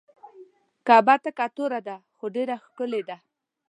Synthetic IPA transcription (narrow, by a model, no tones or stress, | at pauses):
kabat̪akat̪oɾad̪axoɖeɾaxkəled̪a